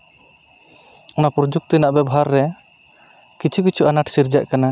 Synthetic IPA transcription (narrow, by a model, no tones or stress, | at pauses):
ɔnapɾɔd͡ʒuk̚t̪inaʔbɛbɔɦaɾːɛ | kit͡ʃʰukit͡ʃʰuʔanaʈsiɾd͡ʒaʔkana